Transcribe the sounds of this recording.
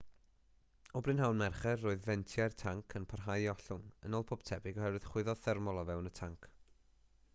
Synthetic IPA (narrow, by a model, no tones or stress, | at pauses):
ɔbrɨnɦawnmɛrχɛrːoːɨðvɛntʰjartʰaŋkʰənpʰarɦajɔɬʊŋənoːlˠpʰɔb̥tʰɛbɪɡɔhɛrwɨð̥χwɪðɔðθɛrmɔlˠɔvɛwnətʰaŋkʰ